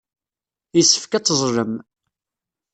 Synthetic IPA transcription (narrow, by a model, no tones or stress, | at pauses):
isːə̥fkæt͡sːəzˤɾəm